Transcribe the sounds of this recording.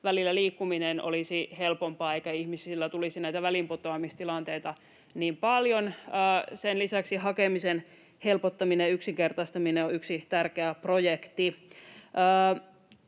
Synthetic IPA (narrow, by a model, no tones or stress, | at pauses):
ʋælilːæliːkːumineno̰lisihelpompɑːeikæihmisilːæt̪ulisinæjt̪æʋælimpot̪oɑmist̪ilɑnt̪eit̪ɑ | niːmpɑljonəːsenlisæksihɑkemisen | helpot̪ːɑmineyksiŋkert̪ɑst̪ɑmineoyksit̪ærkeæprojekt̪iʔəː